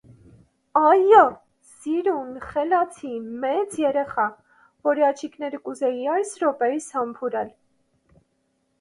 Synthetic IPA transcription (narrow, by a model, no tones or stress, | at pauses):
ɑjɔ | siɾunχɛlɑt͡sʰimɛt͡sjɛɾɛχɑ | vɔɾiɑt͡ʃʰiknɛɾəkuzɛjiɑjsɾɔpɛɾishɑmpʰuɾɛl